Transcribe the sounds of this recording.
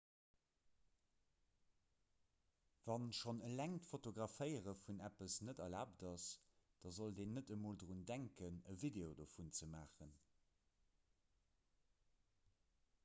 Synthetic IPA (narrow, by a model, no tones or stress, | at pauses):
v̥ɑnʃonəlæŋtfotoɡʁɑfəɪəʁəfunæpəsnədɐlaːpdɑsd̥ɑzoldeːnːədəmoːldʁundæŋkənəvideodofunt͡səmaːχən